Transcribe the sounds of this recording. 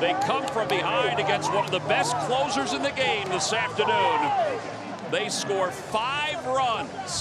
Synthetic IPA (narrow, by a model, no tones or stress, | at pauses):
ðeɪkʰʌ̃ɱfɹʌ̃mbɨhãɪ̃ndɨɡɛ̃nst̚wʌ̃nʌvðəbɛskʰl̥oʊzə˞zɨ̃nðɨɡẽɪ̃mðɪsæftə˞nʉ̃n | ðeɪskɔɹfaɪvɹʌ̃nz̥